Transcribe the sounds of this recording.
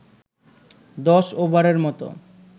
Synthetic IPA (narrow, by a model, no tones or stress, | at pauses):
d̪ɔʃobaɾeɾmɔt̪o̰